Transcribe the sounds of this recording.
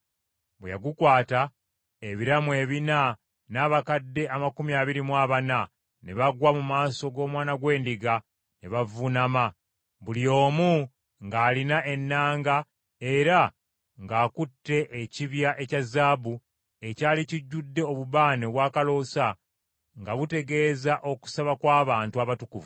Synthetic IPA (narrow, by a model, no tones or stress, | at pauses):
bwḛja̰ɡukwaːta | eβiɾamwe̞ːβina | naːβakadːe̞ʔamakumiaːβiɾimwaːβana | ne̞βaɡwamumaːso̞ɡo̞ːmwaːnaɡwe̞ːndiɡa | neβavunama | βulio̞ːmu | ŋɡaːlinaʔe̞nːaːŋɡa | e̞ɾa | ŋɡaːkutːe̞ʔːciβjaʔe̞cazːaːbu | e̞caːliciɟːudːe̞oβuβaːneβwaːkalo̞sa | ŋɡaβute̞ɡe̞ːzaʔo̞ku̥saβakwaːβaːntuaβatukuvu